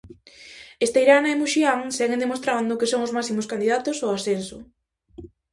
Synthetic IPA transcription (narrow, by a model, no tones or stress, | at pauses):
est̪ejɾanɐemuʃiaŋsɛɣend̪emost̪ɾand̪ʊkesoŋʊzmasimoskand̪iðat̪osoasensʊ